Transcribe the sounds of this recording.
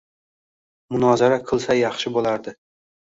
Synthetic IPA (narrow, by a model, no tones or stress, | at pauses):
mʊnɒzaɾaqʰɨlˠsajɑχʃɪbolaɾd̪ɪ